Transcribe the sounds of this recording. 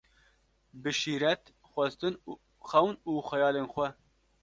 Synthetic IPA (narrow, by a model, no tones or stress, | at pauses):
bɨʃiːɾɛt̪ | xʷɛst̪ɨn | xɛwnuːxʷɛjɑːleːnxʷɛ